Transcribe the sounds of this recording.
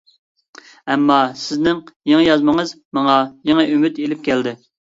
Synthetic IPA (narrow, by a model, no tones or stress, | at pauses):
ɛmːɑsɪznɪŋjeŋɪjɑzməŋəz | mɑŋɑjeŋəʔymyt̪elɪp̚kʲʰɛld̪ɪ